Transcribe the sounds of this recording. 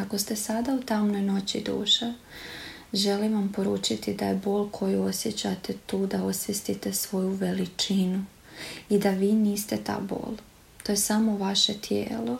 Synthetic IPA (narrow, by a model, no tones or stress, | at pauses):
ako̞st̪e̞sad̪aut̪amno̞jno̞t͡ɕid̪ṵːʃa | ʒelimʋampo̞ɾuːt͡ʃit̪id̪aje̞bo̞ːlˠkʰo̞jiosjet͡ɕat̪e̞t̪uːd̪ao̞sjest̪it̪e̞sʋo̞juʋe̞lit͡ʃinu | id̪aʋiːniːst̪e̞t̪a̰ːbo̞̰ːlˠ | t̪oje̞samo̞ʋaʃet̪ʰjḛːlo̞